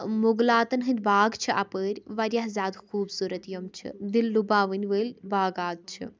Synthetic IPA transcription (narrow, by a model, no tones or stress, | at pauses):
muɡlaːt̪ɐnɦɨnʲbaːɡt͡ʃʰɨʔɐpəːɾʲʋɐɾjɐɦzaːd̪xuːbsuːɾɐt̪jomt͡ʃʰɨ̰d̪ilːubaːʋɨnʲʋəːlʲbaːɡaːd̪̚t͡ʃʰɨ̰